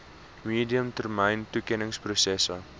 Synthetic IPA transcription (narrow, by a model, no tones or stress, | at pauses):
miːdiəmtərmɛjntukɛnəŋsprosɛsə